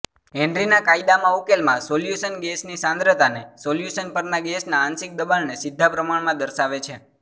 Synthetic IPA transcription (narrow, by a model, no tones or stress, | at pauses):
ɛ̃ɳɖɾinakaid̪amãukelmãsoljusənɡesnisãnd̪ɾət̪anesoljusənpəɾnaɡesnaːnsɪk̚d̪əbalnesɪd̪ʱːapɾəmaɳmãd̪əɾʃaʋet͡ʃʰe